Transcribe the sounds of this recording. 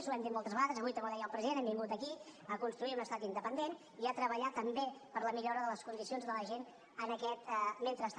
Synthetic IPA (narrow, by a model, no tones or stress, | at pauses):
zuɛmd̪it̪mɔlˠt̪əzβəɣaðəzəβujt̪əβoðɛjəlˠpɾəziðenɛmbiŋɡut̪əkiəkunst̪ɾuiunəst̪at̪ind̪əpənd̪en | iat̪ɾəβəʎat̪əmbepəɾləmiʎɔɾəðələskund̪isionzðələʒen | ənəkɛt̪ment̪ɾəs